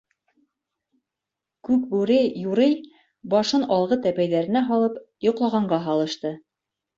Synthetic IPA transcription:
kʉk̚bʉɾɘjuɾɘj | bɑʃɤnɑlˠʁɤt̪æpæjðæɾɘ̆næɦɑlˠɤpjŏqlˠɑʁɑɴɢɑɦɑlˠɤ̆ʃt̪ɤ

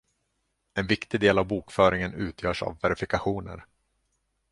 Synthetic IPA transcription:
ɛnvɪkt̪ɪd̪eːlavbuːkfœːɾɪŋənʉ̟ːt̪ʰjœːʂa̰vːɛɾɪfɪkaɧuːnə̰ɾ

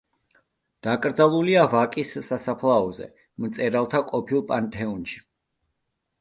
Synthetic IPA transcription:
d̪̥akʼɾd̪zalˠuliavakʼisːasapʰlˠaɔzɛ̰ | mt̪sʼɛɾalˠt̪ʰaqʼɔpʰilˠpʼant̪ʰɛunʃi̥

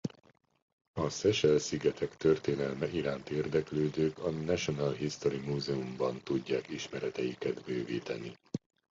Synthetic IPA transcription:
ɒsɛʃɛlsiɡɛt̪ʰɛkt̪ørt̪eːnɛlmɛʔiɾaːnt̪eːrd̪ɛkløːd̪øːkɒnɛʃo̞nalɦist̪o̞ɾimuːzɛumbɒnt̪uɟːaːkiʃmɛɾɛt̪ɛjikɛt̪bøːviːt̪ɛni

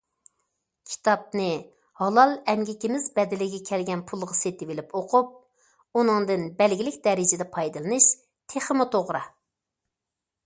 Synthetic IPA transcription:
kʲʰi̥t̪ʰɑp̚nɨ | hɑlˠɑlˠɛmɡʲikʲimɪzbɛd̪ɪlɪɡʲɛkʲʰɛlɡʲɛnpʰulˠʁɑset̪ɪvɪlɪpoqʰup̚ | unɨŋd̪ɨnbɛlɡʲilɪkʲd̪ɛɾɪd͡ʒɪd̪ɛpʰɑjd̪ɨlˠɨnɨʃ | t̪ʰeχəmut̪ʰoʁɾɑ

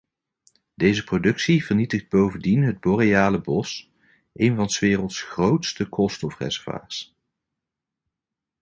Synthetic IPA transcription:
dejzəprodɵksivəɹnitəχd̚bowvəndinɦəd̚bɔrejaːləbɔs | ʔejnvɑnsʋɪːrəlˠtsχrowtstəkʰɔlˠstɔfrɛ̰zɛɹva̰ːɹs

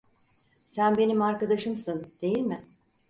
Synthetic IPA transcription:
sænbe̞nimaɾkad̪aʃɯmsɯnd̪̥e̞jilʲmɪ

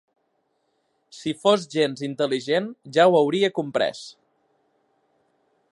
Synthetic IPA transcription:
sifozʒenzint̪əliʒenʒawəwɾiəkumpɾɛ̰s

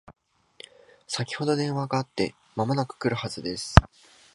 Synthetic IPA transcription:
sakʲi̥ho̞d̪o̞d̪ẽ̞ɰ̃βaɡaːt̪ːe̞̰ | mamo̞nakɯ̟̥kɯ̟ɾɯ̟hazɨd̪e̞sɨ̥

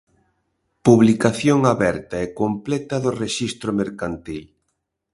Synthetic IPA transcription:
puβlikaθjoŋaβɛɾt̪ɐɛkomplɛt̪ɐðʊreʃist̪ɾʊmeɾkant̪il

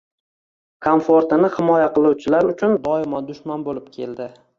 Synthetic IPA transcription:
kʰonfoɾt̪ɪnɪhɪmɒjaqɨlˠuwt͡ʃʰɪlaɾʊt͡ʃʰʊnd̪ɒɪmɒd̪ʊʃmanbolɪp̚kʲʰe̞ld̪ɪ

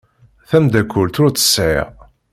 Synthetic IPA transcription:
θæmd̪ækːʊlt̪ʊt͡s̪ə̥sːʕæ̰

